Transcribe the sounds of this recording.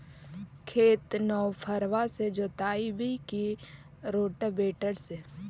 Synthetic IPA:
kʰeːt̪nɔːwpʰəɾʋased͡ʒot̪aːibʱiki | ɾoːʈəbeːʈəɾse

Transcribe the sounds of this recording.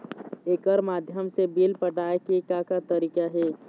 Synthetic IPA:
eːkəɾmaːd̪ʱjəmsebiːlpəʈaːekekakat̪ɐɾiːkaɦɛː

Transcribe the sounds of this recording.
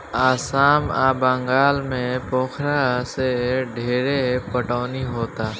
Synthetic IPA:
aːsaːmaːbə̃ŋɡaːlmẽpoːkʰɾaseɖʱeːɾepəʈaːniɦoːt̪aː

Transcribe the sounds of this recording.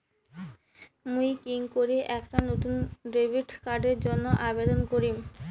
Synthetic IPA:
mujkiŋkoɾeʔɛkʈanot̪unɖɾebiʈkaɖeɾd͡ʑonːoʔabed̪onkoɾim

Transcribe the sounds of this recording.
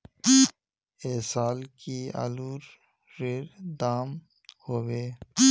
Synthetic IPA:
eːsaːlkia̰luːɾː | eɾd̪aːm | hoːweː

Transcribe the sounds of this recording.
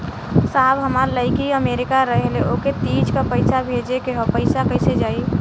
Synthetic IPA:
saɦbɦəmaɾləɪkiəmeɾikaɾəɦeleoket̪id͡ʒkapəɪsabʱed͡ʒekeɦopəɪsakəɪsed͡ʒaːi

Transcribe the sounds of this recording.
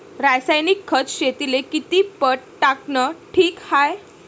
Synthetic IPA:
ɾajsajnikʰːət͡sɕet̪ilekit̪iːpəʈʈaknəʈʰiːkhaj

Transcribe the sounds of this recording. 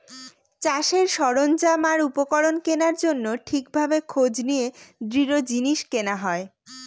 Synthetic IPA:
t͡ɕaʃeɾʃɔɾond͡ʑamaɾupokɔɾonkenaɾd͡ʑonːoʈʰikbʱabekʰod͡ʑnijed̪ɾiɾod͡ʑiniʃkenaɦɔe

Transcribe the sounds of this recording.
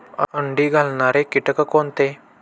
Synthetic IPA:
ə̰əɳɖiːɡʱalɳaɾekiʈəkəkont̪e

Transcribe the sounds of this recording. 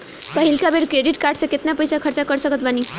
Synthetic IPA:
pəɦilkabeɽkɾeɖiʈkaːɾɖsẽkɪt̪napəjsakʰəɾt͡ʃakəɾsəkət̪bani

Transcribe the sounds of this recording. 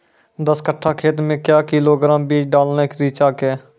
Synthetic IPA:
d̪əskəʈʰːaːkʰeːt̪mẽːkjaːkɪːloːɡɾaːmbiːd͡ʒɖaːlnaːɪkɾiːt͡ʃaːkeː

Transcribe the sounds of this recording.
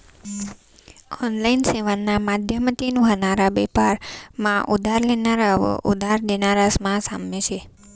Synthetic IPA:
ɔnlainseʋanːamad̪ʱjəmət̪inũɦənaɾabɛpaɾmãʔud̪ʱaɾlenaɾaʋə̰ʔud̪ʱaɾd̪enaɾasmãsamːet͡ʃʰe

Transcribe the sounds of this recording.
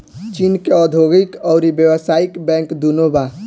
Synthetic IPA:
t͡ʃinkeɔd̪ʱoɡikɔʊɾibjəwəsaikbɛ̃ŋkd̪unoba

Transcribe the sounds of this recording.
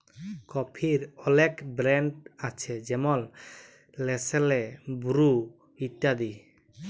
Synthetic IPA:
kɔpʰiɾɔlɛkbɾɛɳɖat͡ʃʰɛd͡ʒɛmɔl | lɛsɛlɛbuɾu | it̪ːad̪i

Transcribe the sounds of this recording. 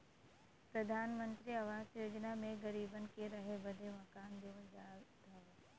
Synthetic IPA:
pɾɐd̪ʱaːnmə̃nt̪ɾiɐʋaːzjoːd͡ʒnamẽɣɐɾiːbənɪ̆kʰeɾɐɦebɐd̪ʱemɐkaːnd̪iod̪aːd̪aːʋe

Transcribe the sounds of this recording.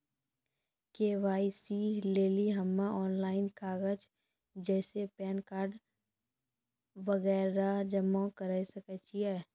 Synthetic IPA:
keːʋaːisileːliɦɐmːaɔːnlaːɪnkʰaːɡəd͡ʒ | d͡ʒɛːsepɛːnkaːɾɖ | ʋəɣɛːɾad͡ʒəmːõkəɾəisəkət͡ʃʰiɛː

